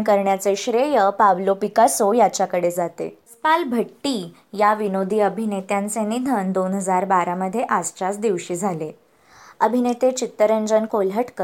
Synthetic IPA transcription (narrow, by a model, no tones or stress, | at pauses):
nkəɾɳjat͡seɕɾejəpaʋlopikasojat͡ɕakəɽed͡zat̪ḛspalbʱəʈːiː | jaʋinod̪ʱiːəbʱinet̪jãnt͡senid̪ʱənd̪onɦəd͡zaɾbaɾaməd̪ʱːjeʔad͡zt͡ɕat͡sd̪iʋɕiːd͡zʱale | əbʱinet̪et͡ɕit̪ːəɾəɲd͡ʑənkoləʈkə